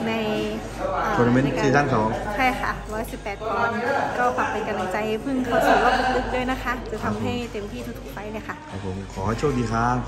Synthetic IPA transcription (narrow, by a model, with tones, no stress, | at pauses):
na˧j | ʔːo˧na˧me˧˥˨iː˧˩aː˥˩ŋsɔː˨˦ŋkʰa˧˥˩kʰa̰˧˥˩wɔ˧˦˧si˨˩pːɛː˨˩t̪̚kɔː˨˧˩nkɔː˥˩pa˨˩p̚pa˨jka˧na˨˧˩t͡ɕa˧jpʰɯ˥˩ŋkʰa˧˩sʰɯː˨˧˩laː˧˩p̚u˧˥t̚lɯ˦˥˩k̚dɤː˧˩˨jna˦˥kʰa˦˥ʔt͡ɕa˧˦t̪ʰa˧mɦa˥˩jt̪e˧mt̪ʰiː˥t̪ʰu˧˩t̪ʰu̥˨˩pa˧jlaː˧˩jkʰa˧˥˩ʔkʰɔ˧˩pʰo˨˦mkʰɔː˨˦ha˧˩t͡ɕʰo˥˩t̚diː˧kʰaː˧˩ŋ